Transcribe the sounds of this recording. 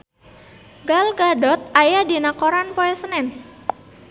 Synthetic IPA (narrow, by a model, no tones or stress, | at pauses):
ɡalɡaɖɔt̪̚ʔajadinakɔɾanpɔɛsənɛn